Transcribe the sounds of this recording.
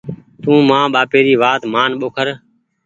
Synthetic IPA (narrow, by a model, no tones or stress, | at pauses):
t̪ũːmãːɓaːpeːɾiːʋaːt̪maːnɓoːkʰəɾ